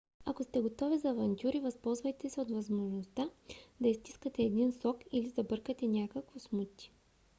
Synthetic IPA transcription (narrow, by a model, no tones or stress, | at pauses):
ɐkost̪ɛɡot̪ɔvizɐːvɐnt̪ʲjuɾivɐspɔlˠzvɐjt̪ɛsɛot̪vɐzmoʒnost̪ad̪ɐist̪i̥skət̪ɛːd̪insɔkilizɐbɤɾkət̪ɛnʲakəkvosmut̪ʲi̥